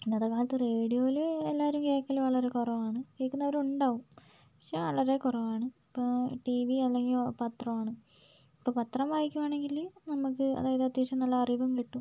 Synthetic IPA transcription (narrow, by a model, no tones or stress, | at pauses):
ind̪ɐðɐkːaːlɐt̪ːɨreːɽijo̞ːilelːaːɐɾumke̞ːkːɐluʋɐɭɐɾe̞kurɐʋaːɳɨkeːkːunːɐʋɐɾuɳɖaːʋum | ɐ̥ʂɐʋɐɭɐɾe̞kurɐʋaːɳɨipːoʈiʋiɐlːe̞ŋɡilpɐt̪rɐmaːɳɨ | ipːoːpɐt̪rɐmʋaːjikʲːumaːɳe̞ŋɡilnɐmːukːɨɐ̰ðaːjɐðeɐt̪ːiiʂɐmnɐlːɐɐriʋɐmkiʈːu